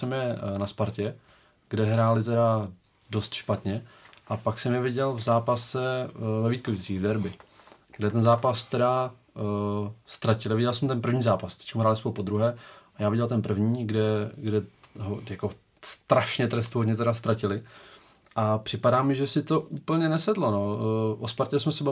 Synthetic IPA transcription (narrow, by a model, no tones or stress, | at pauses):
sɛmjɛnaspaɾcɛ | ɡdɛɦɾaːlɪt̪ɛɾa | do̞st̪ʃpat̪ɲɛʔapaksɛmjɛvɪɟɛlvzaːpasɛvɛviːt̪̚kuiːvdɛɾbɪ | ɡdɛt̪ɛnzaːpast̪ɛɾa | st̪ɾacɪlɪvɪɟɛlsɛmt̪ɛnp̬r̩vɲiːzaːpast̪ɛ̥ckamɦɾaːlɪspoupo̞d̪ɾuɦɛːajaːvɪɟɛlt̪ɛnpr̩vɲiːɡdɛɡdɛɦojako | st̪ɾaʃɲɛt̪ɾɛst̪uɦodɲɛt̪ɛɾast̪ɾacɪlɪ | ʔapr̝̥ɪpadaːmɪʒɛsɪt̪o̞ʔuːpl̩ɲɛnɛsɛd̪lonoʔospaɾcɪlsmɛsɛb